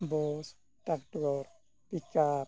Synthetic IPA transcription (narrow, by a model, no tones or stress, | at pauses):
bɔs | ʈakʈɔɾ | pika